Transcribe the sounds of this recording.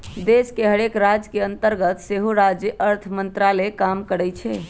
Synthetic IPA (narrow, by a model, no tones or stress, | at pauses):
d̪eskeɦəɽekɾad͡ʒkeənt̪əɾɡət̪seɦuɾad͡ʒjəʔəɾt̪ʰmənt̪ɾalekamkəɽɛt͡ʃʰɛ